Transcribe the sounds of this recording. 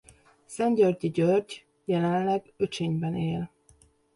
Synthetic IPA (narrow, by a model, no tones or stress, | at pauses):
sɛnɟørɟiɟørɟ | jɛlɛnlɛɡ | øt͡ʃeːɲbɛneːl